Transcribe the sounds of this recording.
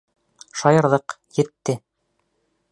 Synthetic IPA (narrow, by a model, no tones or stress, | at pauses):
ʃɑjɤ̆ɾðɤq | jɘ̆t̪ːɘ